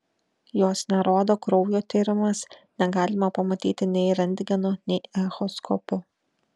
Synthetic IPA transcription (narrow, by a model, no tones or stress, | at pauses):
joːsnʲɛɾoːd̪oːkɾɔʊjoːt̪ʲiːɾʲɪmɐsnʲɛɡɑːlʲɪmɐpɐmɐt̪ʲḭːt̪ʲɪnʲɛɪɾɐnʲd̪ʲɡʲɛnoːnʲɛɪɛxɔskʰɔpʊ